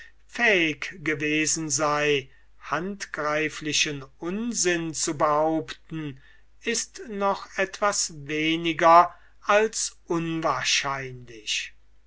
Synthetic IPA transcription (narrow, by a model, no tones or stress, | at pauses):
fɛɪkɡ̥əveːzn̩zaɪ | hantɡ̥ʁaɪflɪʃənʊnzɪnt͡subəhaʊptn̩ | ɪstnɔχɛtv̥asveːnɪɡɐ | ʔalsʔʊnvaːɐʃaɪnlɪʃ